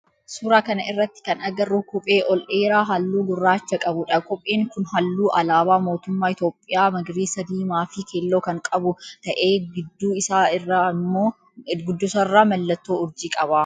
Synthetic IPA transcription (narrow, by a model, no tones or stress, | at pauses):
suːɾaːkɐnɐɪrːɐt̪ːɪ̥kɐnɐɡɐrːukɔpʼe̞ːʔɔlʔeːɾaːɦɐlːuːɡʊrːaːt͡ʃːɐkʼɐbʊᶑɐkʼɔpʼːeːŋkʊnɦɐlːuːʔɐlaːbaːmo̞ːt̪ʊmːaːɪt̪o̞ːpʼːɪjaːmɐɡɾiːsɐd̪iːmaːfɪkeːlːo̞ːkɐŋkʼɐbʊt̪ɐʔe̞ːɡɪd̪ːuːɪsaːɪrːamːoː | ɡʊd̪ːʊsɐrːaːmɐlːɐt̪ːoːʊɾd͡ʒiːkʼɐbaː